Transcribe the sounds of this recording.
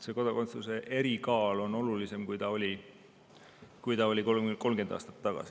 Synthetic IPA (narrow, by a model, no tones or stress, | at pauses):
se̞ko̞d̪̥oko̞nt̪sluse̞ʔe̞ɾikɑːlo̞no̞lulise̞mkujt̪ɑo̞lʲi | kujt̪ɑo̞lʲikoko̞lmɡed̪̥ɑ̰ːst̪ɑ̥t̪ːɑɡ̥ɑ̰si̥